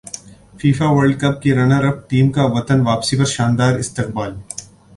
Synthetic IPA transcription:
fiːfaʋɐɾɖ̚kɐp̚keɾɐnaɾɐfʈʈiːmkaʋɐt̪ənʋaːpsipɐɾʃãːnd̪aːɾɪst̪ɪq̚baːl

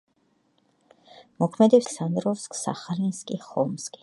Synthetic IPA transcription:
mɔkʰmɛd̪ɛpssand̪ɾɔskʰʼsa̰χalinskʼiχɔlmskʼi̥

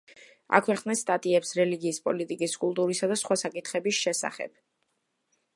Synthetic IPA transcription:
a̰kʰwɛχsnɛst̪ʼat̪ʼiɛpsɾɛliɡiːspʼɔlit̪ʼikʼiskʼulˠt̪ʼuɾisad̪asχwasakʼit̪ʰχɛbisʃɛsa̰χɛ̰b̥̚

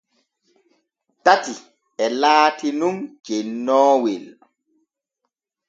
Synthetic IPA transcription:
tati | ɛlaːtinumd͡ʒenːɔːwɛl

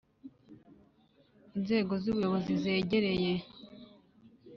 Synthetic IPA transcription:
inze̞ːɡo̞zuβujo̞βo̞zize̞ːɟe̞ɾe̞je̞

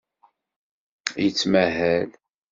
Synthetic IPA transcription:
jət͡sːmæɦæl

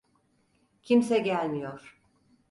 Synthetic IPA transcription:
cʰimsɛɟælʲmijoɾ̥

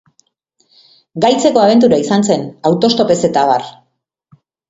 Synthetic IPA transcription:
ɡajt͡se̞ko̞aβ̞e̞nt̪̬uɾaisanse̞nawt̪o̞st̪o̞pe̞se̞t̪aβar

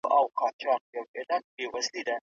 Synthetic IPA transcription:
awqɑt͡ʃɑq̚jawɪlan̚bewazlid̪a

